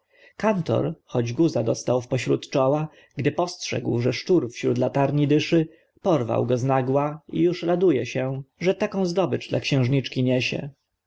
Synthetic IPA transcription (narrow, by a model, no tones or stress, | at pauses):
kant̪ɔ̰ɾxɔd͡ʑɡuzad̪ɔst̪awfpɔɕɾut̪t͡ʂɔwa | ɡd̪ɘpɔstʂɛ̰ɡwʐɛʂt͡ʂuɾfɕɾud̪lat̪aɾɲid̪ɘʂɘ | pɔɾva̰wɡɔznaɡwaḭjuʂɾad̪ujɛɕɛʐɛt̪akɔ̃w̃zd̪ɔbɘʐd̪lʔa̰kɕɛ̃w̃ʐɲit͡ʂkʲiɲɛɕɛ̰